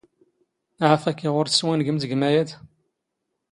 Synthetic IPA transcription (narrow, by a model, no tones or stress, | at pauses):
ʕafækːiʁʊɾθə̥swænɡəmt̪əɡmæjæd̪